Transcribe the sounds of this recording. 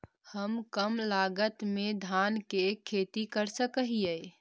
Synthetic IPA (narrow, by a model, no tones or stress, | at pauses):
həmkəmlaɡət̪med̪ʱankekʰet̪ikəɾsəkəɦijə